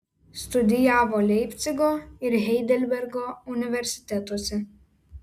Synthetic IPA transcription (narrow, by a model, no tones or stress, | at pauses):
st̪ʊd̪ʲɪjæːʋoːlʲɛɪpʲt̪sʲɪɡoːɪɾɦʲɛɪd̪ʲɛlʲbʲɛɾɡoːʊnʲɪʋʲɛɾʲsʲɪ̥t̪ʲɛt̪uɔsʲɛ